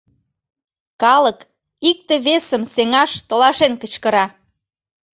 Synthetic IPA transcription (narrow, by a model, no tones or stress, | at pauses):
kɑlək | ik̚t̪eβesəmseŋɑʃt̪olɑʃenkət͡ɕkə̆ɾɑ